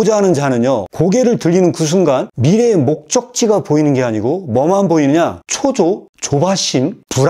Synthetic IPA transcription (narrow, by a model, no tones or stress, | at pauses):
d͡ʑaɦanɯnd͡ʑanɯnjokoɡe̞ɾɯɭtɯʎːinɯnkɯs̬ʰunɡanmiɾe̞mok̚t͡ɕ͈ʌk̚t͡ɕ͈iɡapoinɯnɡe̞aɲiɡomʌmanboinɯɲat͡ɕʰod͡ʑot͡ɕobaɕʰinpuɾ